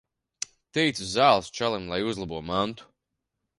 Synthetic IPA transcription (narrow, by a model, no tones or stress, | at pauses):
t̪ɛjt̪suzaːlˠst͡ʃalˠimlˠajuzlˠabuɔmant̪u̥